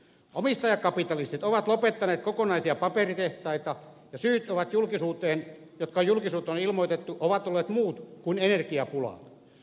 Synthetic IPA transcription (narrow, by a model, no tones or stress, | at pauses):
omist̪ɑjɑkɑpit̪ɑlist̪it̪oʋɑt̪lopet̪ːɑneːt̪kokonɑisiɑpɑperit̪eht̪ɑit̪ɑ | jɑsyːt̪oʋɑt̪julkisuːt̪eːn | jot̪kɑjulkisuːt̪onilmoit̪et̪ːuʔoʋɑt̪olːeːt̪muːt̪kuinenerkiɑpulɑ̰ˑt̪